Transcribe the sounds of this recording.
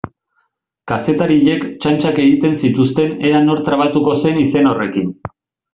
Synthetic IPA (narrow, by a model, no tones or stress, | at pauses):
kase̞t̪aɾiʎe̞kt͡ʃant͡ʃake̞ɣit̪e̞nsit̪ust̪e̞ne̞ano̞ɾt̪ɾaβ̞at̪uko̞se̞nise̞no̞re̞kin